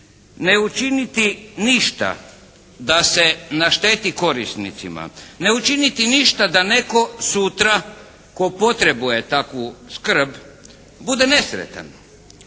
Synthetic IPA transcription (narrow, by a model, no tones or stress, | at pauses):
neut͡ʃinit̪iniʃt̪a̰ | d̪ase̞naʃt̪e̞ːt̪iko̞ɾisnḭt̪sima̰ne̞ut͡ʃinit̪iniʃt̪ad̪ane̞ko̞sut̪ɾa | ko̞po̞t̪ɾe̞buje̞t̪akʋuskr̩b | bud̪e̞ne̞sɾḛt̪a̰n